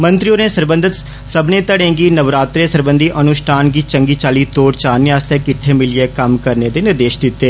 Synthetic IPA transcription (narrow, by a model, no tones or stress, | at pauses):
mə̃nt̪ɾioːneːsəɾbə̃nd̪ʱət̪ | səbnẽːt̪əɽẽːɡiːnəʋɾaːt̪ɾeːsəɾbə̃nd̪ʱiːʔənʊʃʈʰaːnɡiːt͡ʃəŋɡiːt͡ʃaːliːt̪oːɾt͡ʃaːniaːst̪eːkɪʈʰːeːmɪlɪeːkəmkəɾneːd̪eːnɪɾd̪eːʃd̪ɪt̪ːeː